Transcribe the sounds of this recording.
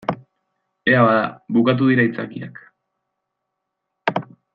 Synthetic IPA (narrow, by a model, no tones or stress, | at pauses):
e̞aβaðaβukat̪̬uðiɾait͡sakia̰k